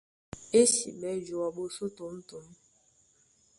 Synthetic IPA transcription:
e˦sḭ˨ɓɛ˨˦d͡ʒo˨wa˨ɓo˨so˦to˨˦m̩˦to˨˦m˦

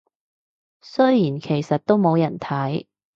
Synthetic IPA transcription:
sɵ˥jjiː˨˩nkʰe˨˩jsɐ˨t̚t̪o˥wmo˨˧wjɐ˨˩nt̪ʰɐ˨˥j

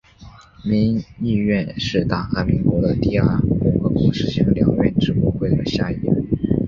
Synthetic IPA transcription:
mi˧˥ŋi˥˧ɥɛ˥˧nʂɻ̩˥˧t̪a˥˩xa˥˩mi˧˥ŋkwɔ˧˥d̪ə˧t̪i˥˧a˞˥˩kʊ˧˥ŋxɤ˧˥kwɔ˧˥ʂɻ̩˥˩t͡ɕʰi˧˥ŋljɑ̰˨˩˦ŋɥɛ˥˧nʈ͡ʂɻ̩˧˥ɔ˥˧xwe˥˩ɪd̪ə˩ɕja˥˧i˥˩ə̰˥˩˦

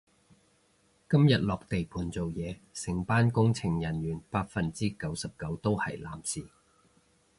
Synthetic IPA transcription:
kɐ˥mjɐ˨t̚lɔː˨k̚t̪e˨jpʰuː˨˥nt͡so˨wjɛː˨˧sɪ˨˩ŋpaː˥nkʊ˥ŋt͡sʰɪ˨˩ŋjɐ˨˩njyː˨˩npaː˧t̚fɐ˨nt͡siː˥kɐ˨˥wsɐ˨p̚kɐ˨˧˥wt̪o˥whɐ̰˨jlaː˨˥msiː˨

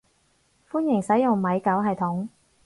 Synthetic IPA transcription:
fuː˥njɪ˨˩ŋsɐ˨˥jʊ˨ŋmɐ˨˧jkɐ˨˥wɦɐ˨jt̪ʰʊ˨˥ŋ

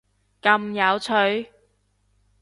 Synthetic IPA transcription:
kɐ˧mjɐ˨˧wt͡sʰɵ˨˧ɥ

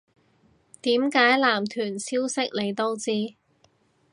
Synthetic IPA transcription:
t̪iː˨˥mkaː˨˥jlaː˨˩mt̪ʰyː˨˩nsiː˥wsɪ˥k̚le˨˧jt̪o˥wt͡siː˥

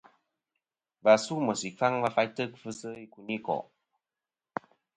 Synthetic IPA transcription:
va˨su˦mə˨si˨fa˦ŋva˧fa˦jtə˦k̚fɨ˦sə˦i˦ku˨ni˦kɔ̰˨ʔ

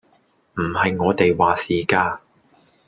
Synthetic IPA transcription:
m̩˨˩hɐ˨jŋɔː˨˧t̪e˨jwaː˨siː˨kaː˧

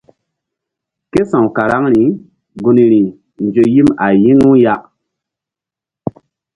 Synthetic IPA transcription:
ke˦sã˨wka˨ɾa˦ŋɾi˨˦ | ɡu˨ni˨ɾi˨ | n˨d͡ʒo˨ji˦ma˨ji˦ŋu˦ja˦ʔ

